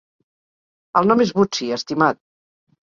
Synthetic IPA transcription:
əlˠnɔmezβut͡siəst̪imat̪̚

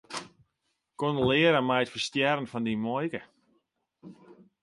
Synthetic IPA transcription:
kɔnəlɪːəɾəmɛjətfərstjɛɾənfɔndimɔjkə

